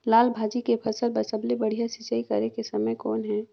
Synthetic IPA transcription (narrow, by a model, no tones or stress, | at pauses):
laːlbʱaːd͡ʒikepʰɐsəlbɐsəblebɐɽ̤ijasit͡ʃaikɐ̰ɾekesɐməjkɔːnɦɛ̃ː